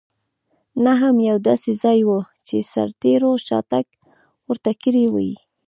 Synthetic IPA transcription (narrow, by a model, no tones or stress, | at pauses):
naɦamjawd̪ɑsezɑjwə | t͡ʃesa̰ɾt̪eɾoʃɑ̰t̪ak | wəɾt̪akiɾewa̰jḭ